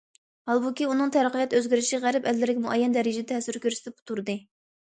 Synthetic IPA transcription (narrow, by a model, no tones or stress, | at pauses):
hɑlˠbukʲiunɨŋt̪ʰæɾəqʰəjɛt̪øzɡʲiɾɪʃiʁæɾɪpɛlːɪɾɪkʲmuʔɛjːɛnd̪ɛɾɪd͡ʒɪd̪ɛt̪ʰɛsɪɾkʲøɾsɪt̪ʰɪp̚t̪ʰuɾd̪ɨ